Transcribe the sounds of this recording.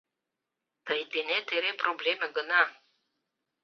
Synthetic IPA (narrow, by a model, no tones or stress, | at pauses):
t̪əjd̪enʲet̪eɾepɾoblʲemʲeɡəna